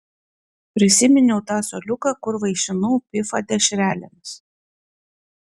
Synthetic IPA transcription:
pʲɾʲɪsʲɪmʲɪnʲɛʊt̪ɑːsɔlʲʊkɐkʊɾʋɐɪʃʲɪnʊwpʲɪfɐd̪ʲɛʃʲɾʲæːlʲɪmʲs

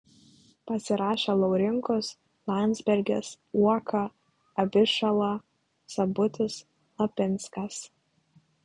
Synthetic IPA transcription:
pɐsʲɪɾɑːʃʲelˠɐʊɾʲɪŋkʊs | lˠɑnʲzʲbʲɛɾʲɡʲɛs | uɔkʰɐ | ɐbʲɪʃɐlˠɐ | sɐbʊt̪ʲɪs | lˠɐpʲɪnˑskɐs

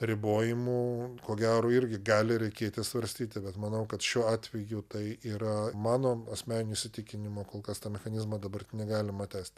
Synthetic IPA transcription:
rʲɪboːjɪmuːkoːɡʲæːɾoːɪɾʲɡʲɪɡɑːlʲɪɾʲɛɪkʲeːt̪ʲɪsʋɐɾʲsʲt̪ʲiːt̪ʲɪbʲɛt̪mɐnɐʊkɐt̪ʃʲuːɑːt̪ʲʋʲɛjut̪ɐɪʔiːɾɐmɑːnoːɐsʲmʲæːnʲɪnʲʊːɪʃʲsʲɪt̪ʲɪkʲɪnʲɪmoːkoːlˠkɐst̪ɑːmʲɛxɐnʲɪzmɐd̪ɐbɐrtʲnʲɛɡɑːlʲɪmɐt̪ʲæːsʲt̪ʲ

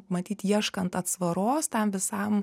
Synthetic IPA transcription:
mɐt̪ʲiːt̪iɛʃkɐnt̪ɐt̪sʋɐɾoːst̪ʲɛmʋʲɪsɐm

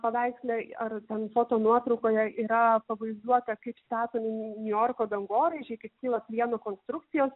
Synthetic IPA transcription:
pɐʋʲæɪksʲlʲɛɐrt̪ʲɛnfoːt̪oːnuɔt̪ɾɒʊkoːjɛʔiːɾɐpɐʋɐɪzd̪uɔt̪ɐkɐɪpsʲt̪ʲæːt̪oːmʲɪnʲʊjoːrkoːd̪ɐŋɡoːɾʲeːʒʲɛɪkɐɪpkʲiːlˠɐpʲlʲiɛnokoːnst̪ɾʊk̚t̪sʲɪjoːs

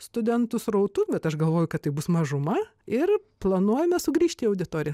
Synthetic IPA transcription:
st̪ʊd̪ʲɛnt̪ʊsrɐʊt̪ubʲɛt̪ɐʃɡɐlˠʋoːjʊkɐt̪t̪ːɐɪbʊsmɐʒʊmɐɪrplˠɐnuɔjɛmʲɛsʊɡɾʲiːʃʲt̪ʲiːɐʊd̪ʲɪt̪oːɾʲɪjɛ

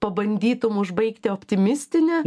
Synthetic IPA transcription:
pɐbɐnʲd̪ʲiːt̪ʊmʊʒbɐɪkt̪ʲɪoːpʲt̪ʲɪmʲɪsʲt̪ʲɪnʲɛ

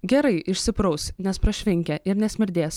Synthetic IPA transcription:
ɡʲɛɾɐɪʔɪʃʲsʲɪpɾɐʊsʲnʲɛspɾɐʃʲʋʲɪŋʲkʲɛʔɪɾnʲɛsʲmʲɪɾʲd̪ʲeːs

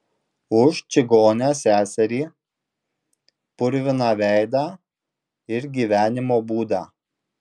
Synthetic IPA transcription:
ʊʃt͡ʃʲɪɡoːnʲæːsʲæːsʲɛɾʲiː | pʊɾʲʋʲɪnɑːʋʲæˑɪd̪ɑː | ɪɾɡʲiːʋʲæːnʲɪmoːbuːd̪ɑː

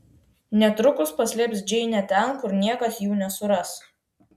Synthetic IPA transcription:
nʲɛt̪ɾʊkʊspɐsʲlʲɪpsd͡ʒʲɛɪnʲɛt̪ʲɛnkʊɾnʲiɛkɐsjuːnʲɛsʊɾɐs

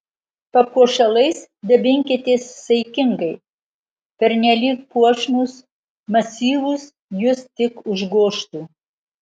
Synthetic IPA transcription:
pɐkuɔʃɐlˠɐɪsd̪ʲɐbʲɪŋʲkʲɪt̪ʲeːssʲɐɪkʲɪŋɡɐɪ | pʲɛɾʲnʲɛlʲiːk̚puɔʃnus | mɐsʲiːʋʊs | jʊst̪ʲɪkʊʒɡoːʃt̪uː

